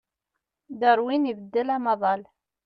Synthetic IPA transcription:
ðəɾwinivəd̪ːəlɑmɑðˤɑl

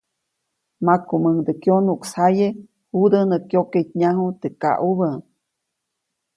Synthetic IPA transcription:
makuməŋd̪əkjonuksaje | hud̪ənəkjokejt̪ɲaɦut̪eka̰ʔuβə

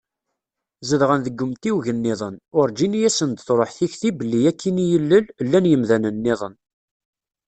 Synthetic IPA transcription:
zəðʁənðəɡːəmt̪iwʝənːɪðˤənʊɾd͡ʒinijæsənd̪θɾˤoħθiçθibəlːijækʰːinijəlːəllːænjəmðænənːɪðˤən

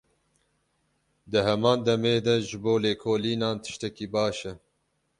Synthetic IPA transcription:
d̪ɨhɛmɑːnd̪ɐmeːd̪ɐʒɨboːleːkʰoːliːnɑːnt̪ʰɨ̥ʃt̪ɛkiːbɑːʃɛ

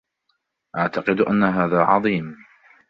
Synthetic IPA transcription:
ʔaʕt̪aqɨd̪ʔanːaɦaːðaːʕɑðˤiːm

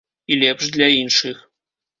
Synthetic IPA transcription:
ilʲɛpʂd̪lʲainʂɨx

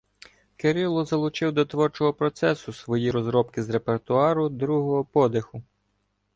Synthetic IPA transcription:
keɾʲilˠɔzɐlˠʊt͡ʃɪwd̪ɔt̪ʋɔrt͡ʃɔɦɔpɾɔt̪sɛsʊsʋɔjiɾɔzɾɔpkɪzɾe̞pert̪ʊɑɾʊd̪ɾuɦɔɦɔpɔd̪exʊ

